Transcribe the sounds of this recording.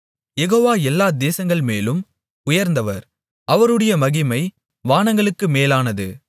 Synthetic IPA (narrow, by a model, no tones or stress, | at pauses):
jɛɣoːʋaːɛlːaːd̪eːsɐŋɡɐɭmeːlɯm | ʊjɐɾnd̪ɐʋɐɾ | ɐʋɐɾɯɽɐjɐmɐɣɪmɐɪ | ʋaːnɐŋɡɐɭɯkːɯmeːlaːnɐðɯ